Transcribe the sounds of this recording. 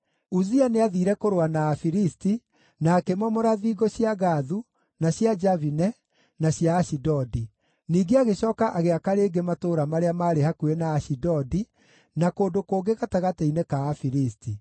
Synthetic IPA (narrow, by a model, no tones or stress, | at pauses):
uzianeaðiːɾɛkoɾoanaːfiɾisti | naːkemɔmɔɾaðiːɡɔɕjaɣaðu | naɕjad͡ʒavinɛ | naɕjaːɕidɔdi | niːɡeaɣeɕɔːkaʔaɣeakaɾeːɡematoːɾamaɾeamaɾehakuenaːʃidɔdi | nakoːndokoːɡeɣataɣateinekaːfiɾisti